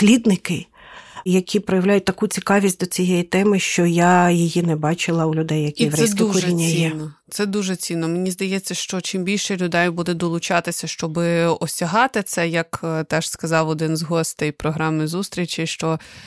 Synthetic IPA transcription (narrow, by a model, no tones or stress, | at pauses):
slʲid̪nɪkɪ | jɐkʲʰipɾɔjɐʋlʲajʊt̚ʲt̪ɐkut͡sʲikɑʋʲisʲt̚ʲd̪ɔt͡sʲijɛjit̪ɛmɪʃt͡ʃɔjajijinɛbɑt͡ʃɪlˠɐulʲʊd̪ɛjjɐkʲiɛd̪uɛinʲːijiɛnnɔt̪sɛd̪uʒɛt͡sʲinːɔmenʲizd̪ɐjɛt͡sʲːɐʃt͡ʃɔt͡ʃimbʲilʲʃɛlʲʊd̪ɛjbud̪ɛd̪ɔlˠʊt͡ʃɑt̪ɪsʲɐʃt͡ʃɔbɪɔsʲɐɦɑt̪ɪt̪sɛjɐkt̪ɛʒ̥skɐzɑwɔd̪ɪnzɦɔsʲt̪jpɾɔɦɾɑmɪzust̪ɾʲit͡ʃʲɪʃt͡ʃɔ